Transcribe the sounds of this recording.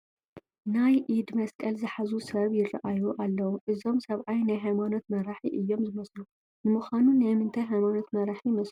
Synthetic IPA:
najʔid̪mɐskʼɐlzɨħazusɐβjɪrɐ̰ʔajuʔalːɐwuʔɨzo̞msɐβʕajnajɦajmano̞t̪̚mɐɾaħiʔɨjːo̞mzɨmɐslu | nɨmuxʷanunajmɨnt̪ʰɐjɦajmano̞t̪mɐɾaħijmɐslu

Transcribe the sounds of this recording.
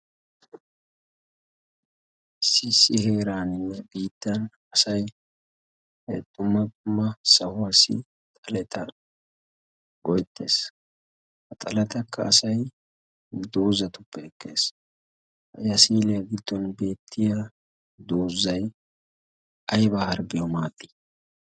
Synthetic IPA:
sɪsːɪheːɾaːnɪnːɛbiːt̪ːɐn | ɐsɐj | t̪ʼʊmːɐt̪ʼʊmːɐsɐhʊwɐsɪ̰ | t̪ʼɐlɛt̪ʰɐ | ɡ̥ɔjt̪ːe̞̰ːs | hɐt̪ʼɐlɛt̪ɐkʰːɐ̰ːsɐj | d̪o̞ːzːɐt̪ʊpːɛɛkːe̞̰ːs | ɐjɐsiːlɪjɐɡɪd̪ːɔnbe̞ːt̪ʰːɪjɐ | d̪o̞ːzːɐj | ɐjbahɐɾbɪjɔmaːt̪ːi̥

